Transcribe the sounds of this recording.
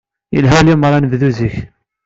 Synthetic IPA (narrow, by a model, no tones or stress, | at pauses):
jə̰lɦælimɾˤɑnððuziç